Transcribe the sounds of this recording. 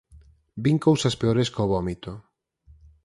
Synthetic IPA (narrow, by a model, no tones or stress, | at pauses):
biŋkowsaspeoɾeskoβɔmit̪o